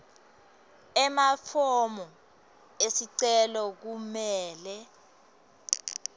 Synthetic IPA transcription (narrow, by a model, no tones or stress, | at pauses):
ɛmafʰɔmɔ | esiǀɛlɔk̬umɛːlɛ